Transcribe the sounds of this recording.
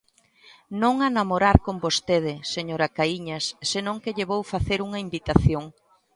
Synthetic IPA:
nõŋanamoɾaɾkombost̪eð̞ɪseɲoɾɐkaiɲɐsːenõŋkeʎeβowfaθeɾuŋɐimbit̪aθjoŋ

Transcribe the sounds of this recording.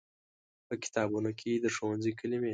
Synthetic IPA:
pəkɪ̥t̪ɑbunokʰed̪əʂowanzikəlime

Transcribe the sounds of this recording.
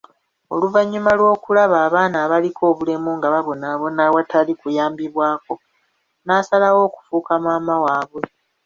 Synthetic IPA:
o̞̰luvaɲːumalwo̞ːkulaβaːβaːnaːβalikʰo̞ːβule̞muŋɡaβaβo̞naβo̞nawatʰalikujaːmbiβwaːko̞ | naːsalawo̞ːku̥fuːkamaːmawaːβwe̞

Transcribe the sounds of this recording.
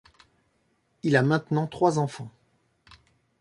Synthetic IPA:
ilamɛ̃t̪nɑ̃t̪χwazɑ̃fɑ̃

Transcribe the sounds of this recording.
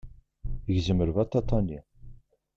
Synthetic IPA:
ʝzəməɾvɑt̪ːɑt̪ˤːɑni

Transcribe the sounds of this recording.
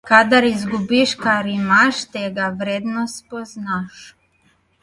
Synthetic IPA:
kad̪aɾizɡubiʃkaɾimaʃt̪ɛɡaʋɾed̪nospoznaʃ

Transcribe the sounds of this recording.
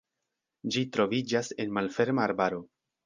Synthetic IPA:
d͡ʒitɾo̞vid͡ʒase̞nmalfe̞ɾmaːɾbaɾo̞

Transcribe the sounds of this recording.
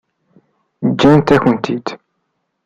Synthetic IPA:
d͡ʒːænt̪æçənt̪id̪

